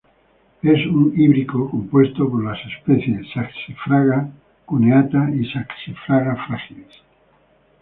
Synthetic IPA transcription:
esuŋiβɾikokompwe̞st̪opoɾlasespeθjeːaksifɾaɣa | kuneat̪aisaksifɾaɣafɾaxiles

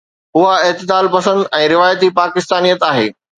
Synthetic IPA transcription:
ɦʊɦaɪɦt̪ɪd̪aːlpɐsə̃nd̪ɛ̃ːɾɪʋaːjət̪ipaːkɪst̪aːnijət̪aːɦḛː

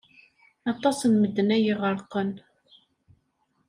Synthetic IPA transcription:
ɑt̪ˤɑsənməd̪ːnæjəʁəɾˤqən

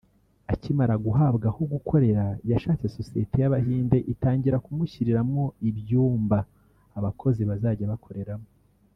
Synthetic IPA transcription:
acimaɾaɡuɦaːbɡahoɡukʰo̞ɾe̞ɾajaʃaːt͡se̞so̞sijetʰe̞jaβaɦiːnde̞ʔitaːɲɟiɾakumuçiɾiɾamo̞ibjuːmbaː | βakʰo̞ziβazaːɟaβakʰo̞ɾe̞ɾamo

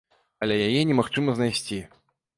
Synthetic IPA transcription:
ɐlʲɛjajɛnʲɛmaxt͡ʂɨmɐznajsʲt͡sʲi

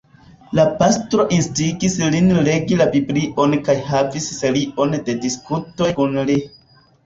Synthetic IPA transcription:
lapastɾo̞ʔinstiɡislinle̞ɡilabibliʔo̞nkajhavisseliʔo̞nde̞diskuto̞jkunli

